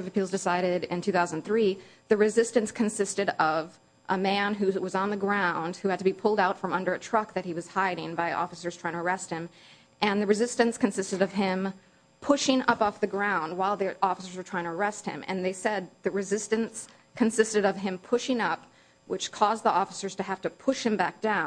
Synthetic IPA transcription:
ʌvɨpʰilˠzdɨsaɪɾɪɾɪ̃ntʰʉθaʊzn̩θɹiðɨɹɨzɪstɨ̃nskʰɨnsɪstɨɾʌv | ʔəmæ̃nɦʉwʌzn̩ðɨɡɹãʊ̃nd̥̚hʉɨd̚tʰɨbipʰʊlˠdaʊtfɹʌ̃mʌ̃ndə˞ɨtʰɹ̥ʌk̚ðɨt̚hiwʌz̥haɪɾɪ̃ŋbaɪʔɔ̰fəsə˞z̥tʰɹaɪɪ̃ŋtʰə˞ɛst̚hɨ̃m | ʔɨ̃nðɨɹɨzɪstɨ̃nskɨ̃n̩sɪstɨɾʌv̥ɪ̃m | pʰʊʃɪ̃ŋʌpɔfðɨɡɹãʊ̃nd̚waɪlˠðiʔɔfəsə˞zə˞tʰɹ̥aɪɪ̃ŋtʰəɹɛst̚hɨ̰̃mɨ̰̃nðeɪsɛd̪̚ðɨɹɨzɪstɨ̃ns | kʰɨ̃n̩sɪstɨɾʌv̥ɪ̃mpʰʊʃɪ̃ŋʌp̚ | wɨt͡ʃkʰɔzðiɔfə̥sə˞z̥tɨɦæftɨpʰʊʃhɨ̃mbæk̚d̥ãʊ̃n

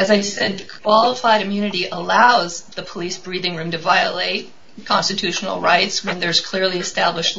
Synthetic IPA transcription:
ɨzaɪsɛd̪̚ðɨkʰw̥ɑlˠəfaɪɾɨ̃mjʉnɨɾiʔəlaʊzðəpʰəlisb̥ɹiðɪ̃ŋɹʉ̃mtɨvaɪə̰leɪt̚ | kʰɑ̃nstɨtʰʉʃn̩l̩ˠɹaɪtswɨ̃nðə˞z̥kʰl̥ɪɹlˠiɨstæbləʃtˡ

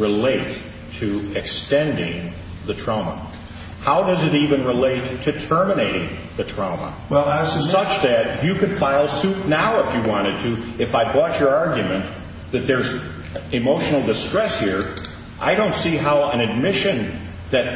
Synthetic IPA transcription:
ɹɨleɪtʰ | ɨɨkstɛ̃ndɪ̰̃ŋ | ðɨtʰɹ̥aʊmə̰ | haʊdʌzɨɾivɨ̃nɹɪleɪtʰɨtʰɜ˞məneɪɾɪ̰̃ŋ | ðɨtʰɹ̥ãʊmə̰ | wˠsʌt͡ʃðɨt͡ʃɨkɨ̃d̥faɪlˠsʉp̚naʊəfjɨwɑ̃ɾ̃ɨd̚tʰɨɨfaɪbɔt͡ʃə˞ɑɹɡjɨmɨ̃n | ðɨt̪̚ðə˞z | ɨmoʊʃnl̩ˠdɨstɹ̥ɛshiɹ | ʔa̰ɪɾõʊ̃ntsiɦaʊɨ̃nɨd̚mɪʃɨ̃n | ðɨt̚

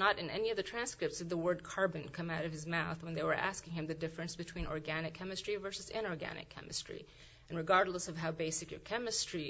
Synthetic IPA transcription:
nəɾɨ̃nɛ̰niʌvðɨtʰɹ̥æ̃nskɹɨp̚tsʌvðəwɜ˞d̚kʰɑɹbɨ̃n̩kʰʌ̃maʊɾʌv̥ɨzmaʊθwə̃nðeɪwə˞ʔæ̰skɪ̃ŋɨ̃mðɨdɪfɹɨ̃nsb̥ɨtʰw̥ĩnɔ̰ɹɡænɨkʰɛmɨstɹ̥ivɜ˞sɨzɪ̰̃ñɔɹɡæ̰nɨ̰kʰɛ̰mɨstɹ̥ḭ | ɨ̃nɹɨɡɑɹdˡləsʌv̥ɦaʊbeɪsɨkjə̰˞kʰɛmɨstɹ̥i

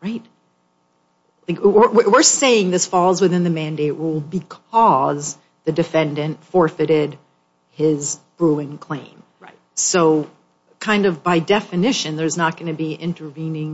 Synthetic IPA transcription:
ɹaɪt̚ | laɪkwɪwɪwɪɹseɪɪ̃ŋðɪsfɔlˠzwɨθɪ̃nðɨmæ̃ndeɪʔɹulˠbɨkʰʌz | ðɨdɨfɛ̃ndɨ̃ntfɔɹfɨɾɪd | ɪzb̥ɹuɨ̃nkʰl̥ẽɪ̃m | soʊ | kʰãɪ̃ndʌvbaɪdɛfɨnɪʃɨ̃nðə˞znət̚ɡ̥ʌnɨbiʔɪ̰̃ntʰə˞vĩnɪ̃ŋ

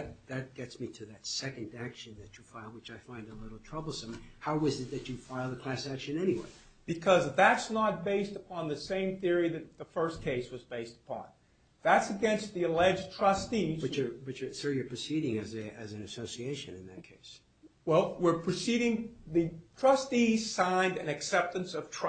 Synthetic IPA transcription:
ðɨt̚ɡ̥ɛtsmiɾɨðɨtsɛkɨ̃ndækʃɨ̃nðɨt͡ʃɨfaɪlˠwɨt͡ʃaɪfãɪ̃ndəlɪɾl̩ˠtʰɹ̥ʌbl̩ˠsə̃mhaʊʌzɨt̪̚ðɨt͡ʃɨfaɪlˠðəkʰl̥æsækʃɨ̃nɛniwḛɪ | b̥ɨkʰʌzðætsnət̚b̥eɪstəpʰɑ̃nðɨsẽɪ̃mθɪɹiðɨt̪̚ðəfɜ˞skʰeɪswʌzbeɪstə̥pʰɑ̰̃n | ðætsɨɡɛ̃nst̪̚ðiɨlɛd͡ʒtʰɹ̥ʌstizwɨt͡ʃə˞wɨt͡ʃə˞sɑɹjə˞pʰɹ̥ɨsiɾɪ̃ŋɨzɨɨzɨ̃n̩ɨsoʊsieɪʃɨ̰̃nɨ̰̃nðɨ̰t̚kʰeɪs | wɛlˠwɪɹpʰɹ̥ɨsiɾɪ̃ŋðɨtʰɹ̥ʌstiz̥sãɪ̃ndɨ̃nɨksɛp̚tɨ̃nsʌv̥tʰɹ̥

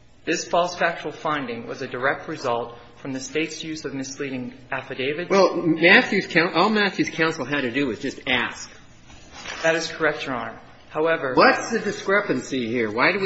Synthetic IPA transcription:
ðɪsfɔlˠsfæk̚t͡ʃəl̩ˠfãɪ̃ndɪ̃ŋwʌ̰zɨdə˞ɛk̚t̚ɹɨzʌlˠt | fɹʌ̃mðɨsteɪtsjʉzʌvmɨsliɾɪ̃ŋæfɨdeɪvɨdwɛlˠmæθjʉz̥kʰãʊ̃nʔɔlˠmæθjʉz̥kʰãʊ̃nsl̩ˠɦɨɾɨdɨɨzd͡ʒʌstæsk | ðɨɾɨz̥kʰə˞ɛk̚t͡ʃə˞ɑ̃ɹm | haʊɛvə˞wʌtsðɨdɨskɹɛpɨ̃nsihiɹwaɪɾɨwi

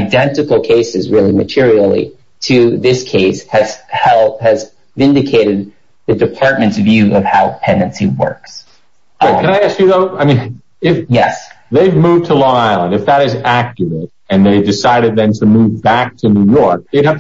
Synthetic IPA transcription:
aɪdɛ̃ntɨkl̩ˠkʰeɪsɨzɹɪlˠimɨ̰tʰɪɹil̩ˠḭ | ɾʰɨðɪskʰeɪshɨz̥hɛlˠɨz | vɪ̃ndɨkʰeɪɾɨd̪̚ | ðɨdɨpʰɑɹt̚mɨ̃n̩tsvjʉʌv̥haʊpʰɛ̃ndɨ̃nsiwɜ̰˞ks | b̥ʌkʰɨ̃naɪæskjɨðoʊaɪmĩn | ɪfjɛs | ðeɪvmuv̚tʰəlɔaɪlˠə̃ndɨfðəɾɨzækjə˞əɾ | ɨ̃nðeɪdɨsaɪɾɨd̪̚ðɨ̃ntʰɨmuvbæk̚tʰɨnʉjɔɹk̚ðeɪd̚hæf

